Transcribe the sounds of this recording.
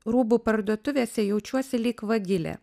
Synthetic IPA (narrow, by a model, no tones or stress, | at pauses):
ɾuːbuːpɐɾd̪uɔt̪ʊʋʲeːsʲɛjɛʊt͡ʃʲuɔsʲɪlʲiːkʋɐɡʲɪlʲɛ̰